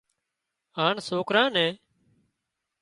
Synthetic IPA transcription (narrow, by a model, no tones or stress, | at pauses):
aːɳsoːkɾãːnɛ̃ː